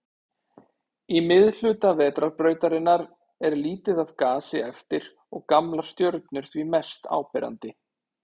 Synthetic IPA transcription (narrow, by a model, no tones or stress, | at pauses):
imɪðl̥ʏːt̪avɛːt̪ɾaɾpɾœːɥt̪aɾɪnːaɾ | ɛɾliːt̪ɪðaðkaːsɪɛft̪ɪɾ̥ | ɔɣkamlḁst̪jœɾt̪nʏɾ̥θvimɛst̪a̰ːwpɛɾa̰nt̪ɪ